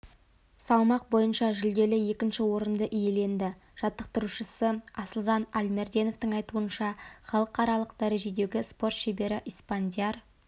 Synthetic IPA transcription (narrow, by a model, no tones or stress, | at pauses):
sɑlˠmɑq̚bo̞jənʃɑʒɪld̪e̞lɪje̞kʲɪnʃɪwo̞ɾənd̪əʔije̞le̞nd̪ɪ | ʒ̥ɑt̪ːəqt̪əɾuʃəsəɑsəlˠʒɑnælmeɾd̪e̞no̞ft̪əɴɑjt̪uənʃɑχɑlˠəqɑɾɑlˠəqd̪æɾe̞ʒe̞d̪e̞ɡʲɪspo̞rt̪ʃebe̞ɾɪʔijspand̪ʲijar